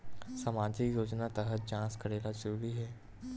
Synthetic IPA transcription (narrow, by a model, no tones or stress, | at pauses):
sɐmaːd͡ʒikjoːt͡ʃnat̪əɦət̪̚d͡ʒãːskɐɾeːlad͡ʒəɾuːɾiɦɛː